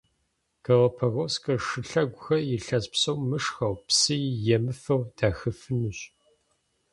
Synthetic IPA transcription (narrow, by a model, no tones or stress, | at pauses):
kʰɐʁɐpʰɐɣoːskʰʼɐʂɨɬɐɡʷʊxɐjɪɬɐspsɐwmɨʂxɐwpsɨjjɛmɨfɐwd̥aːxɨfɨnuɕ